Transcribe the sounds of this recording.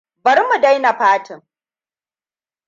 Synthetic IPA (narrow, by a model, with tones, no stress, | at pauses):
bɐ˨ɾmu˨da˦jna˨ɸaː˦tʰɪ˨ŋ